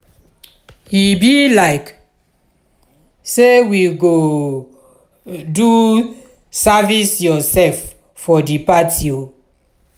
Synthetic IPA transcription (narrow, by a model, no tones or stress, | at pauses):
hibilaɪk | sewiɡo | du | savisjɔsɛlfː | ɔdipatʰio